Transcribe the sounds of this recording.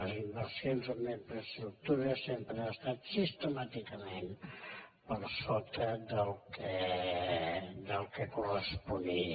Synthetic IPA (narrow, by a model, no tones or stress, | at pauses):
zimbəlsenzomeɱpɾəst̪ɾuk̚t̪uɾəsempɾəast̪at̪sist̪əmat̪ikəmen | pəlsot̪əd̪əlˠkʰe | d̪əlˠkekurəspuni